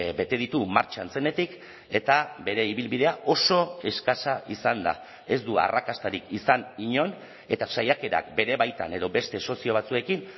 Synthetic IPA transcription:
be̞t̪e̞ð̞it̪umaɾt͡ʃant͡se̞ne̞t̪ik | e̞t̪abe̞ɾe̞iβilβið̞e̞aʔo̞so̞e̞skasaʔisand̪a̰ | e̞zd̪ua̰rakast̪aɾikisaniɲo̞n | e̞t̪asajake̞ɾa̰k̚be̞ɾe̞βajt̪a̰ne̞ðo̞be̞st̪e̞so̞sio̞β̞at͡sue̞kin

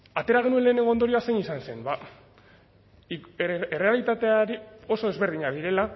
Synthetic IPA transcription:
at̪e̞ɾaɣe̞nue̞nle̞ːne̞ŋɡond̪o̞ɾioasenisanse̞nba | ere̞alit̪at̪e̞aɾio̞so̞ezβe̞ɾð̞iɲaðiɾe̞la

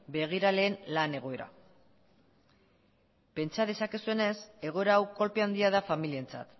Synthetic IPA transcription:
be̞ɣ̞iɾale̞ːnlane̞ɣ̞o̞e̞ɾa̰ | pe̞nt͡sað̞e̞sakesue̞ne̞se̞ɣ̞o̞e̞ɾaːwko̞lpe̞and̪iað̞afamilient͡sa̰t̪

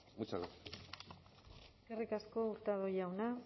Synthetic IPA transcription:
mut͡ʃako | eskerikasko̞uɾt̪aðojawna

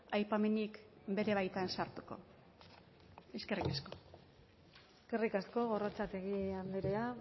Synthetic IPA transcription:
ajpame̞nik | be̞ɾe̞β̞ajt̪ansaɾt̪uko̞̰ | eske̞rikasko̞ | eske̞rikasko̞ɣo̞rot͡sat̪eɣiand̪iɾea

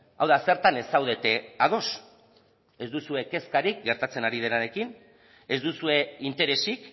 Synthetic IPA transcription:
a̰wðase̞ɾt̪ane̞sawð̞e̞t̪e̞að̞o̞s | e̞zd̪usue̞ke̞skaɾik̚ɡe̞ɾt̪at͡se̞naɾið̞e̞naɾe̞kin | e̞zd̪usue̞int̪e̞ɾe̞sik

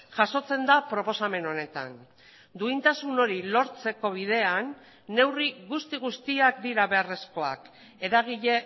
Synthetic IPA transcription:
ʝaso̞t͡se̞nd̪apɾo̞po̞same̞no̞ne̞t̪a̰n | d̪uint̪asuno̞ɾilo̞ɾt͡se̞ko̞β̞ið̞e̞anː | e̞wriɣust̪iɣ̞ust̪iak̚d̪iɾaβe̞are̞sko̞a̰k | e̞ɾaɣ̞iʎe̞

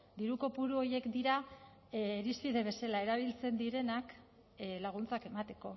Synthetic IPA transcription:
d̪iɾuko̞puɾuo̞je̞kd̪iɾaː | ɾispiðe̞βe̞selae̞ɾaβ̞ilt͡se̞nd̪iɾe̞nak | laɣ̞unt͡sake̞mat̪e̞ko̞

